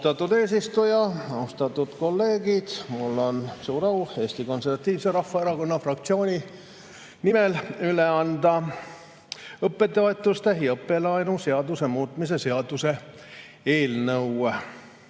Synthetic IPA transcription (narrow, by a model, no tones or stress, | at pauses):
st̪ɑt̪ːˑud̪e̞ːs̬ist̪ujɑɑust̪ɑt̪ːˑud̪̥ko̞lːe̞ːɡid̪̥mulːo̞nsuːɾɑwe̞ːst̪iko̞nservɑt̪ːˑiːvse̞ɾɑfːɑeɾɑko̞nːɑfrɑkt̪sio̞ːnʲi | nimelyleɑnd̪̥ɑ | ɤpːe̞t̪ːˑeɑt̪ːˑust̪eɦjɤpːe̞lɑjnuse̞ɑd̪use̞muːt̪mis̬e̞se̞ɑd̪use̞ | e̞ːlnɤwe